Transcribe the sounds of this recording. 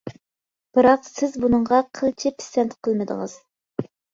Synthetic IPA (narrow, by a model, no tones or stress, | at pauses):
b̥ɨɾɑqsɪzbunəɴʁɑqʰəlˠt͡ʃʰɪpʰɪ̥sɛnt̪ʰqʰəlˠmɨd̪ə̰ŋəz̥